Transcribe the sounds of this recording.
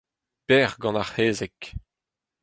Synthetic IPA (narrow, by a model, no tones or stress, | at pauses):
pɛːʁɡɑ̃naʁheːzɛk